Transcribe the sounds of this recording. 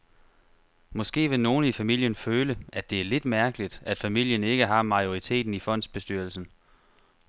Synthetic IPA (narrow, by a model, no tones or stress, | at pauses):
mɒ̽sɡ̥e̝̰ːʋe̝no̝ːn̩ifæmil̰jənføːləʔæd̥e̝æɐle̝d̥mæɐɡ̥əlid̥æd̥fæmil̰jəne̝ɡ̥əɦɑ̈mɑ̈io̝ʁit͡sʰe̝̰ːd̥n̩ifɒ̽n̰d̥sb̥e̝sd̥yːɐlsn̩